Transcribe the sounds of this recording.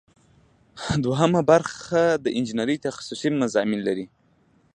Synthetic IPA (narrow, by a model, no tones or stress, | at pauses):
d̪waɦəmabaɾxad̪əʔɪnd͡ʒinaɾit̪axsusimnazɑminlaɾi